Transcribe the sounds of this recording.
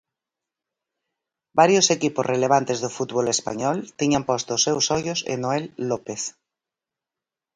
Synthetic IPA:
baɾjosekipozrʔeleβ̞ant̪ezðofut̪βolespa̰ɲɔlt̪iɲampɔst̪osewsɔjosḛnoelːɔpeθ

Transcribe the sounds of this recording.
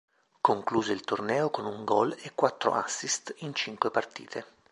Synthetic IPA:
koŋkluːzeilt̪ornɛːokonuŋɡɔlekːwat̪ːɾo̰ʔasːist̪int͡ʃiŋkwepart̪ḭːt̪ʰe

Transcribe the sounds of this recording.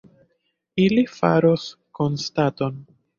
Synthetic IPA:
ilifa̰ɾosko̞nstato̞n

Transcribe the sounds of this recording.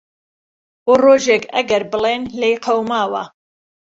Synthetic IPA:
oroːʒeːkɐ̰ɡɐɾbɨleːnlejqʰɐwmaːwɐ̰

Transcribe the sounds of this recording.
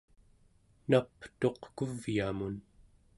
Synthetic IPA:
napt̪o̞qkuvjamun

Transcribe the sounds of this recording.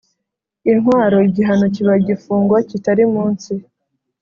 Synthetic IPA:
inɦwaːɾo̞iɟiɦanociβaɟifuːŋɡwacitaɾimuːnsi

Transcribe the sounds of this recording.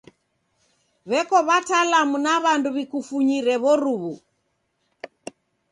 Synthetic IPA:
βɛkɔβatalamunaβanduβikufuɲiɾɛβɔɾuβu

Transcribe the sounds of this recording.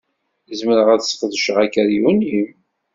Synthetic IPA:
jəzməɾəʁæðsfðəʃəʁækːəɾjunim

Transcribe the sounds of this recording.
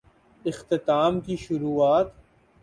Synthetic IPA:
ɪxt̪ɪt̪aːmkiʃʊɾuːaːt̪

